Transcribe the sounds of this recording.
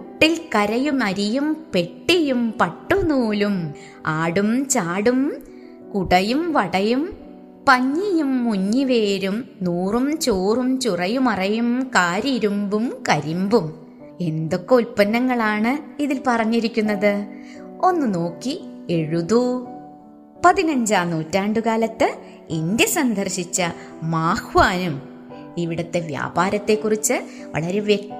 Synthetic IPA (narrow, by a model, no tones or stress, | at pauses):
uʈːilkɐɾɐjumɐɾijumpe̞ʈːijumpɐʈːunuːlum | aːɽumt͡ɕaːɽum | kuɽɐjumʋɐɽɐjum | pɐɲːijumːuɲːiʋeːɾumnuːrumt͡ɕoːrumt͡ɕurɐjumɐrɐjumkaːɾiɾumbumkɐɾimbum | e̞nd̪o̞kːeulpɐnːɐŋːɐɭaːɳɨiðilpɐrɐɲːiɾikʲːunːɐðɨ | o̞nːɨno̞ːkːie̞ɻuðu | pɐðinɐɲd͡ʑaːnuːtːaːɳɖukaːlɐt̪ːɨ | iɲde̞sɐnd̪ʱɐrɕit͡ɕːɐ | maːhʋaːnum | iʋiɽɐt̪ːe̞ʋja̰ːbaːɾɐt̪ːe̞kːurit͡ɕːɨ | ʋɐ̰ɭɐɾe̞ʋjek̚